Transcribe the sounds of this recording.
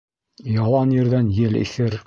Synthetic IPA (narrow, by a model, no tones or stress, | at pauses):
jɑlˠɑnjɘ̆ɾðænjɘlḭθɘɾ